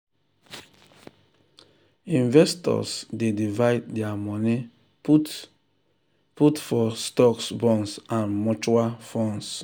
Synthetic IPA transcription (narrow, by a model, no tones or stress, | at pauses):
ĩnvɛstɔ̰sdedivaɪddɛamɔni | putfɔstɔksbɔ̃nsãnmɔt͡ʃualfɔ̃ns